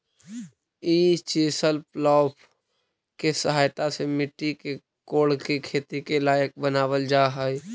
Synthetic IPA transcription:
iːt͡ʃeːsəlplɔːp | kesəɦaːjt̪asemɪʈːike | koːɽkekʰeːt̪ikelaːjək̚bənaːwəld͡ʒaːɦəj

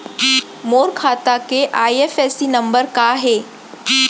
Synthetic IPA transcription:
moːɾkʰaːt̪akeʔaːiefesinəmbəɾkaɦeː

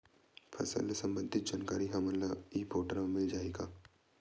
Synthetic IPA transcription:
fʰɐ̰sə̰lesɐ̃mbə̃nd̪ʱɪt̪̚d͡ʒaːnkaːɾiɦaməlaiːpoːʈəɾamɪld͡ʒaːeːɡaː

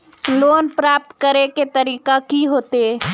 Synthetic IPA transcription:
loːnpɾaːp̚t̪kəɾeket̪əɾiːkakiɦoːt̪e

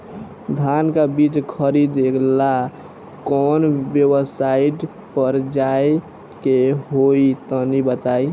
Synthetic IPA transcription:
d̪ʱankabit͡ʃkʰəɾid̪ekʰla | kɔːnbjəwsaiʈ | pəɾd͡ʒae | keɦoit̪ɔnibət̪aːi

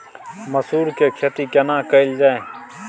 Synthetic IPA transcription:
məsuːɾkekʰet̪ikɐnãːkəɪld͡ʒaːe

